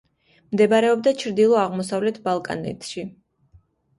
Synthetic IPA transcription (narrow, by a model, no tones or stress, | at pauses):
md̪ɛbaɾɛɔbd̪at͡ʃʰɾd̪ilˠɔaʁmɔsavlɛt̪ʰbalˠkʼa̰nɛ̰t̪ʰʃi